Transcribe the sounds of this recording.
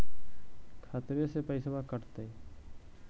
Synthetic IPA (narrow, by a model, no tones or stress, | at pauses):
kʰaːt̪ɾesepəisəbakəɾt̪e